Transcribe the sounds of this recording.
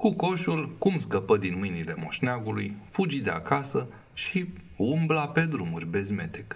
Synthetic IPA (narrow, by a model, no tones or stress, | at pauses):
kuko̞ʃulkumskəpəd̪inmɨjnile̞mo̞̰ʃneaɡulujfud͡ʒid̪e̞a̰kasə | ʃi | umblape̞d̪ɾumurʲbe̞zme̞̰t̪ek